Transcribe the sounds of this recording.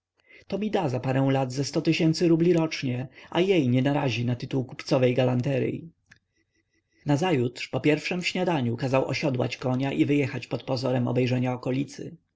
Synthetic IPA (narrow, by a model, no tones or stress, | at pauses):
t̪ɔmʲid̪azapaɾɛw̃lad̪zɛst̪ɔt̪ɘɕɛnt̪sɘɾublʲiɾɔt͡ʂɲɛʔa̰jejɲɛnaɾaʑinat̪ɘt̪uwku̥pt̪sɔvɛjɡalant̪ɛɾɘ̰ | nazajut̪ʂpɔpʲjɛɾfʂɛmfɕɲad̪aɲukazawɔ̰ɕɔd̪wa̰t͡ɕkɔɲaʔivɘjɛxat͡ɕpɔt̪pɔzɔɾɛmɔ̰bɛjʐɛɲaɔkɔlʲit̪sɘ̰